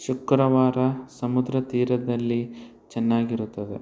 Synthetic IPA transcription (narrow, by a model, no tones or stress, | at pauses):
ʃukɾɐʋaːɾɐsɐmud̪ɾɐt̪iːɾɐd̪ɐlːi | t͡ʃɛnːaːɡiɾut̪ːɐd̪ḛ